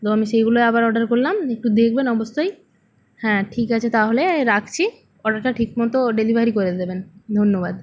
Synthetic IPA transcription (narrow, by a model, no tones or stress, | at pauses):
t̪oamiʃejɡuloeabaɾɔɖaɾkoɾlamek̚ʈud̪ek̚ʰbenɔbost̪aj | hɛ̃ʈʰikat͡ɕʰet̪aɦoleɾakʰt͡ɕʰi | ɔɖaɾʈaʈʰikmɔt̪oɖelibʱaɾikoɾed̪ebend̪ʱonːobad̪